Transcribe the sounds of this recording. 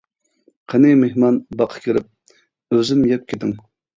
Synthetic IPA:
qʰənɪmehmɑnbɑqʰə̥kʲʰeɾɪp̚ | øzɪmjɛp̚kʲʰet̪ɪŋ

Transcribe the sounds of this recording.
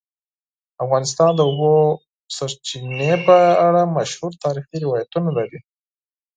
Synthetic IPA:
afɣɑnɪs̬t̪ɑnd̪əubo | saɾt͡ʃinepəaɽamaʃhuɾt̪ɑɾixiɾɪwɑjat̪unalaɾi

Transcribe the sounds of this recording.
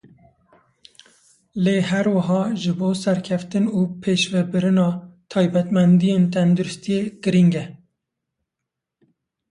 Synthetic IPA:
leːɦɛɾwaɦɑːʒɨboːsɛɾkʰɛft̪ɨnuːpʰeːʃvɛbɨɾɨnɑːt̪ʰɑːjbɛt̪mɛnd̪ijeːnt̪ʰɛnd̪uɾʊst̪ijeːɡ̥ɨɾiŋɡɛ

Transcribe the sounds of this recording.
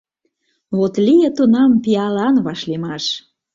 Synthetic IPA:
βot̪lijə̆t̪onɑmpiɑlɑnβɑʃlemɑʃ

